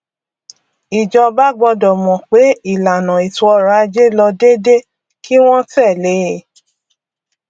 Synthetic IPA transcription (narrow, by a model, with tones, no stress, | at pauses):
i˨d͡ʒɔ˧ba˦ɡ͡bɔ˧dɔ˨mɔ̃˨k͡pe˨˦i˦˨la˨nã˨i˨tu˧ɔ˧ɾa˨a˧d͡ʒe˦lɔ˧de˦de˦ | ki˦w̃ɔ̃˦tɛ˦˨le˨˦˨